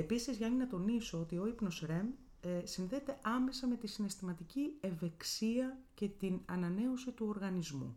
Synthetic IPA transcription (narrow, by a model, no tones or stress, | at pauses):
e̞pisizʝɐninɐt̪o̞nisoot̪io̞ipno̞sɾe̞m | sinðe̞ːt̪e̞ʔɐme̞sɐme̞t̪isine̞st̪imɐt̪icieve̞ksiɐce̞t̪inɐnɐne̞osit̪uoɾɣɐnizmṵ